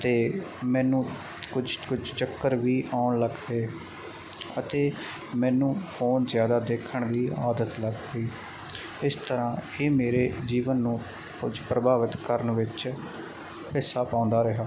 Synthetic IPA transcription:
ət̪eːmɛ̃ːnũː | kʊd͡ʒkʊd͡ʒt͡ʃəkːəɾʋiːʔaːʊɳləɡɦeː | ət̪eː | mɛ̃ːnũːpʰoːnzjaːd̪aːd̪eːkʰəɳʋiːa̰ːd̪ət̪ləɡɡiː | ɪst̪əɾãːeːmeːɾeːd͡ʒiːʋənːũː | kʊ̰d͡ʒpɾəbʱaːʋɪt̪kəɾənʋɪt͡ʃ | hɪsːaːpãːʊ̃nd̪aːɾɪɦaː

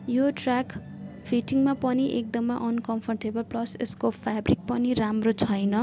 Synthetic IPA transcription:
joʈrak | pʰiʈiŋmapʌniʔḛk̚d̪ʌmːaʔʌnkʌmpʰʌrʈebʌlplʌsḛskopʰabrik̚pʌniɾamrot͡sʰʌjnʌ

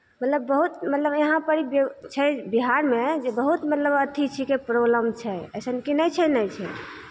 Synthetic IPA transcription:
mət̪ləbːəɦut̪mət̪ləbjeɦãpəɾibt͡ʃʰɛbiɦaɾmed͡ʒebəɦut̪mət̪ləbət̪ʰit͡ʃʰikepɾoləmt͡ʃʰɛə̰sənkinəjt͡ʃʰɛnəjt͡ʃʰɛ

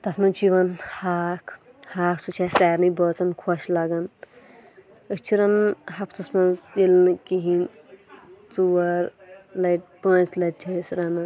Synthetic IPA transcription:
t̪ɐsmɐnt͡ʃiʋɐnhaːkʰ | haːksut͡ʃʰasɛːɾnɨbəːt͡sɐnkʰɔʃlaɡɐn | əst͡ʃʰiɾɐnhɐpʰt̪ɐsmɐ̃nzilnɨkiɦin | t͡suʋɐɾlɐjʈ̚pənslɐʈ̚t͡ʃʰɐisɾɐnɨ

